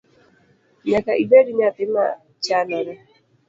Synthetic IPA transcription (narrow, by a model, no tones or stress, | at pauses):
ɲakaʔibɛɾiɲatɪma̰ | t͡ʃanana